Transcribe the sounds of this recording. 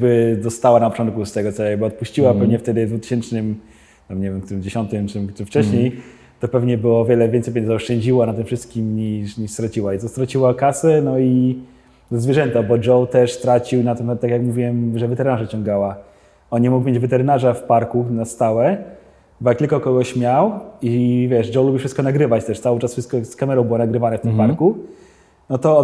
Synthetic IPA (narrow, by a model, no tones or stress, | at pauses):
bɘd̪ɔst̪awanapɔtɔ̃nt̪̚kust̪ɛɡɔt̪sɔjaɡ̚bɘɔt̪̚puɕt͡ɕiwapɛvɲɛft̪ɛd̪ɘvd̪vut̪ɘ̥ɕɛnt͡ʂnɘm | t̪amɲevʲɛmkt̪uɾɘmd͡ʑeɕɔnt̪ɘmt͡ʂɘmt͡ʂɘft͡ʂɛɕɲej | t̪ɔpɛvɲɛbɘwɔvʲjɛlɛvʲjɛnt̪sjpɛɲzaɔʂt͡ʂɛɲd͡ʑiwanat̪ɨmfʂɘst̪̚kʲimɲiʂɲiʂst̪ɾat͡ɕiwait̪ɔst̪ɾat͡ɕiwakasɛnɔi | d̪ɔzvʲjɛʐɛnt̪abɔd͡ʐɔwt̪ɛʂst̪ɾat͡ɕiwnat̪ɛmat̪ːakjakmuvʲiwɛmʐɛvɛt̪ɛɾɘnaʐat͡ɕɔ̃ŋɡawa | ɔnɲːɛmukmʲjed͡ʑvɛt̪ɛɾɘnaʐafpaɾkunast̪awɛ | bɔjak̚t̪ɘlkɔkɔɡɔɕmʲjawivʲjɛʂd͡ʐɔwlubʲifʂɘst̪kɔnaɡɾɘvat͡ɕt̪ɛʂt̪sawɘt͡ʂasfʂɘst̪̚kɔskamɛɾɔ̃w̃bɘwɔnaɡɾɘvanɛft̪ɪmpaɾku | nɔt̪ɔ